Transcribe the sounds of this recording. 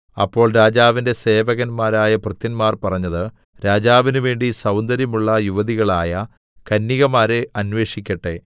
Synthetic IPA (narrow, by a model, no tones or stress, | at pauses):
ɐ̰pːo̞ːɭɾaːd͡ʑaːʋinde̞se̞ːʋɐɣɐnmaːɾaːjɐprɨt̪ːinmaːrpɐrɐɲːɐðɨ | ɾaːd͡ʑaːʋinuʋe̞ːɳɖisɐwnd̪ɐɾjɐmuɭːɐjuʋɐðiɣɐɭaːjɐ | kɐnːiɣɐmaːɾɨɐnʋe̞ːʂikʲːɐʈːe̞